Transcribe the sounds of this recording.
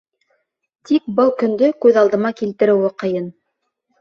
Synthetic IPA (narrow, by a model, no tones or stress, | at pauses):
t̪ik̚bɤlˠkɵ̆nd̪ɵkʉðɑlˠd̪ɤ̆mɑkilt̪ɘ̆ɾɘ̆wɘqɤ̆jɤn